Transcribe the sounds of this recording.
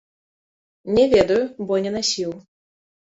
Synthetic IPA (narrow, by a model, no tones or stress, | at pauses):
nʲɛvʲɛd̪ɐjubɔnʲɛnasʲiw